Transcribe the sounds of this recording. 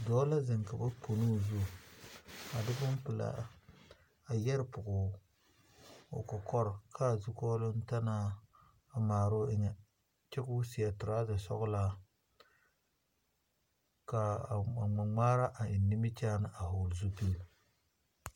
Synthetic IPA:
dɔː˦la˦zɪ˨ŋka˨ba˦pʰo˨nu˦˨zu˦˨ | a˨dɪ˦bʊ˦mpɨ˨la̰˨ | a˨jɛ˦ɾpʊ˨ɡʊ˨ | o̰˨kɔ˨kɔ˦ɾkʰa˦˨zʊ˦kɔː˦lʊ˦n̩˦ta˦na˦ | a˨maː˨ɾo˦ɪ˦ŋɛ˨ | t͡ʃɛ˦kʊ˦si˨ja˨tʊ˨ɾa˦dɨ˨sɔ̰˦ɣʊ˦la˦ | ka˨a˨ŋ͡ma˨ŋ͡maː˦ɾa˦ʔa˨ɪ˨nːɪ˦mi˦t͡ʃaː˦nɨ˨ʔa˨hʊ˨lzu˦pi˦l

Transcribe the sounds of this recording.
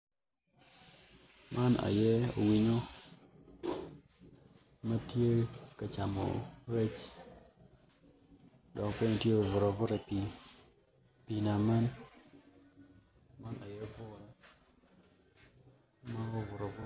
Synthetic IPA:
mʔa˦na̰˨jɛ˦o̰˨wi˦ɲo˦ | ma˦tje˦ka˨t͡ʃa˨mɔ̰˨ɾe˦t͡ʃ | dɔ˨kpe˦ɲ˨tje˦o˨vʊ˨ɾɔ˨vʊ˦ɾa˨pi˨ | pi˨na˨ma˦n | ma˦na˨jɛ˦vʊ˦ɾa˦ | ma˦o˦vʊ˨ɾɔ˨vʊ˦

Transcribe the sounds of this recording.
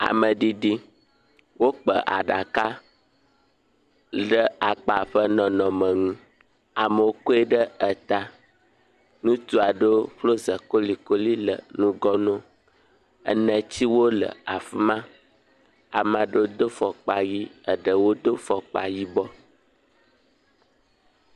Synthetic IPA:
a̰˨mə̃˨ɖi˦ɖi˦ | wo˦k͡pə˨ʔa̰˨ɖa˨ka˦ | ɖə˦a˨k͡pa˨ɸə˦nɔ̃˨nɔ̃˨mə̃˨ŋũ˦ | a˨mə˨wo˦ko˦e˦ɖə˦ə˨t̪a˨ | nũ˦t̪u˦a˨ɖo˦ɸlo˦zə˨ko˦li˨ko˦li˦lə̰˨nũ˦ɡɔ˦nɔ̃˦ | ə̰˨nə̃˨t͡ɕi˦wo˦lə̰˨a˨fi˦mã˦ | a˨mã˨ɖo˦d̪o˦fɔ˨k͡pa˨ji˦ə˨ɖə˨wo˦d̪o˦fɔ˨k͡pa˨ji˦bɔ˦

